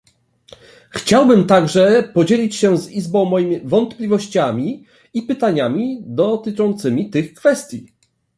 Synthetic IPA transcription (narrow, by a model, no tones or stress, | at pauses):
xt͡ɕawbɘmt̪aɡʐɛpɔd͡ʑelʲit͡ɕɕɛ̃zizbɔ̃w̃mɔjimʲivɔnt̪plʲivɔɕt͡ɕamʲi | ipɘt̪aɲamʲid̪ɔt̪ɘt͡ʂɔnt̪sɘmʲit̪ɘxkfɛst̪ʲji